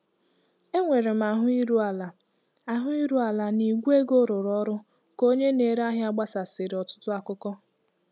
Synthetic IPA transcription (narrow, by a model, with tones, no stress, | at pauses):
e˦ŋʷe˨ɾe˨m̩˨a˨ɦʊ˦i˦ɾu˦a˨la˨ | a˦ɦʊ˦i˦ɾu˦a˨la˨ni˨ɡʷu˦e˦ɡo˦ɾʊ˨ɾɔ˦ɾʊ˦ | ko˦ɲe˦ne˨ɾa˦ɦja˦ɡ͡ba˦sa˨sɪ˨ɾɪ˨ɔ˨tʊ̥˦tʊ˦a˨kʊ˦kɔ˦